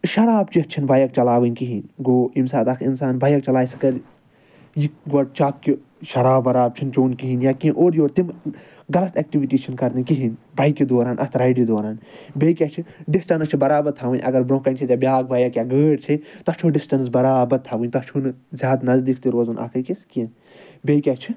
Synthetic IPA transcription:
ʃɐɾaːb̚t͡ʃit͡ʃʰinbajɐk̚t͡ʃɐlaːʋɨnʲkiɦinɡoːimsaːt̪ɐkʰinsaːnbaːjɐkt͡ʃɐlaːjsɨ̥kɐɾ | jiɡɐʈ̚t͡ʃʰakki | ʃɐɾaːbːɐɾaːb̚t͡ʃʰint͡ʃoːnkiɦinjaːkiinʔoːɾjoːɾt̪im | ɡɐlɐt̪eːk̚ʈiʋiʈiːt͡ʃʰinkɐɾd̪ikiɦinbɐjkid̪oːɾaːnʔɐ̰t̪ʰɾɐiɖid̪oːɾaːnbeːjkʲat͡ʃʰiɖisʈɐnɐt͡ʃʰibɐɾaːbɐɾt̪ʰaʋɨnʲʔɐ̰ɡɐɾbɾõːkɐnt͡ʃʰit̪ʲabʲjaːɡ̚bʱɐjɐkʲjaːɡəːɖt͡ʃʰit̪ɐt͡ʃʰoːɖisʈɐns̬bɐɾaːbɐɾt̪ʰaʋɨ̃nʲt̪ɐt͡ʃʰunɨzʲjaːd̪nɐzd̪ikʰt̪iɾoːzunʔa̰ːkʰɐkiskiẽn | beːjkʲat͡ʃʰi

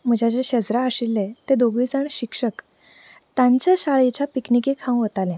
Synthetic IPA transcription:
m̤əd͡ʑʱat͡ɕeɕəd͡zɾaəɕilːet̪ed̪oɡʋiːt͡saɳɕikʂək | t̪ãɲt͡ɕaɕaɭet͡ɕapiknikekʰãw̃ʋət̪alẽ

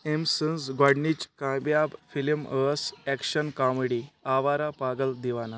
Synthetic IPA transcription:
emsənsɡaɽnit͡ɕkãbjabfilməsɛkɕənkameɽiaʋaɾapaɡəld̪iʋana

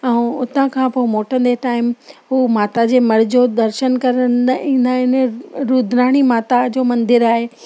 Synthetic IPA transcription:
ɛ̃ʊt̪ə̃kʰãːpomoːʈə̃n̆d̪eʈaːɪmɦuːmaːt̪ad͡ʑeːmɐɽ̤ɪd͡ʑoːd̪ɐɾʃənkɐɾənĩːn̆d̪aɦɪnɾuːd̪ʱɾaːɽ̃imaːt̪ad͡ʑoːmɐ̃nd̪ʱɪɾaːɦeː

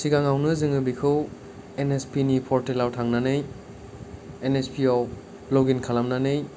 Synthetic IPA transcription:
siɡaŋawnɯzɯŋɯbikʰɯw | enespinipʰɔɾtelawtʰaŋnanɯj | enespiɔw | lɔɡinkʰalamnanɯj

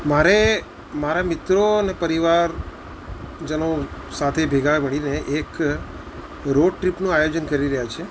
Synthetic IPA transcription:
maɾe | maɾamɪt̪ɾonepəɾiʋaɾ | d͡ʒənosat̪ʰebʱeɡaməɽineʔek | ɾoɖ̚ʈɾipnũajod͡ʒənkəɾiɾəɦjat͡ʃʰe

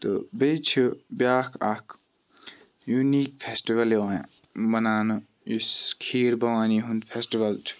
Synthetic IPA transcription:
t̪obet͡ʃʰibjaːkʰakʰ | juniːk̚pʰesʈiʋɐleaã̰ | bɐnaːnɐ | iskʰiːɾbɐwaːniɦũnd̪pʰesʈiʋɐlt͡ʃʰi̥

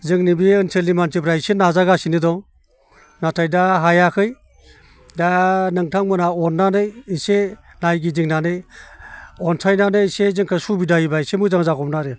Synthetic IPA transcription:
zɯŋnibiɯnsʰelimantɯpɾajsenazaɡasinɯdɔŋ | natʰajdaɦajakʰɯj | danɯŋtʰaŋmɯnaɔnːanɯjise | najɡidiŋnanɯj | ɔntʰajnanɯsezɯŋkʰɯsubidaibaisemɯzaŋzaɡɔmnaɾɯ

